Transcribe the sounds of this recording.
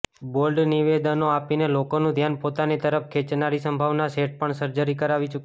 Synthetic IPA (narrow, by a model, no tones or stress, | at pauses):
bolɖniʋed̪ənoapinelokonũd̪ʱjanpot̪anit̪əɾəfkʰet͡ʃnaɾisəmbʱaʋnaseʈ̚pəɳsəɾd͡ʒəɾikəɾaʋit͡ʃuk